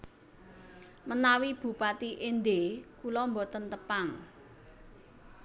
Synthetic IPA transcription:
mənawib̥ṳpat̪iʔend̪ekulɔmbɔt̪ənt̪əpaŋ

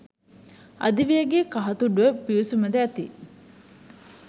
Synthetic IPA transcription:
ɐ̰d̪iʋiɐɡeːkɐɦɐt̪uɖuʋepiusumɐd̪eɐt̪ḭ

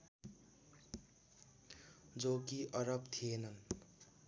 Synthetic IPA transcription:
d͡zokiʔʌɾʌbt̪ʰijenʌn

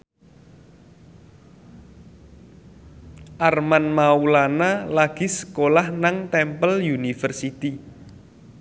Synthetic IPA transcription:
ʔarmanmaulanalaɡ̥i̤sə̥kolahnaŋt̪ɛmpəljunifərsit̪i

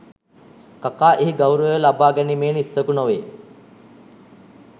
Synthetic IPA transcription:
kakaːʔeɦiɡawɾəʋəlabaːɡɛnimeːnisːəkunoʋeː

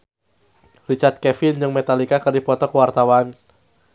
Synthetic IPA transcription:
rit͡ʃart̪̚kɛfɪnd͡ʒɨŋmet̪alikakərdipɔt̪ɔkəwart̪awan

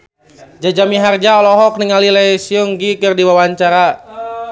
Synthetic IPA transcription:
d͡ʒad͡ʒamiɦard͡ʒaɔlɔɦɔk̚niŋalilɛjsiɔŋɡikɨrdiwawaɲt͡ʃaɾa

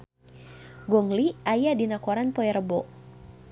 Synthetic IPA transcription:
ɡɔŋliʔajadinakɔɾanpɔɛɾəbɔʔ

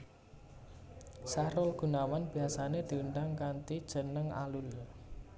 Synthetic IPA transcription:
saɾʊlɡ̥ṳnawanb̥i̤asaned̪̥i̤uɳɖaŋkant̪id̥ʒ̥ə̤nəŋa̰lʊl

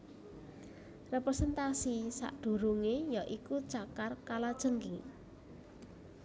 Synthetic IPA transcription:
repɾɛsɛnt̪asisa̰ʔd̪̥ṳɾuŋejaʔikut͡ʃakarkalad̥ʒ̥əŋkḭ

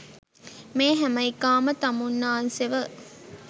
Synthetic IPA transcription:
meːɦæmɐikaːmət̪ɐmunːaːnseʋə

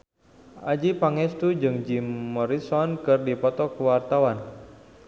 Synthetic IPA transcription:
ʔad͡ʒipaŋɛst̪ud͡ʒɨŋd͡ʒimːɔɾisɔnkɨrdipɔt̪ɔkəwart̪awan

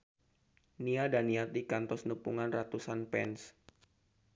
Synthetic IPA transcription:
niadaniat̪ikant̪ɔsnəpuŋanrat̪usanpɛns

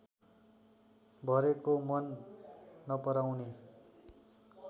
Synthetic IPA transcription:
bʱʌɾekomʌnː | ʌpʌɾawne

